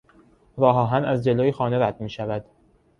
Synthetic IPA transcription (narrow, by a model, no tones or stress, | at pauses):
ɾɒːɦɒːɦænæzd͡ʒe̞loːjexɒːne̞ɾæd̪̚miːʃævæd̪̥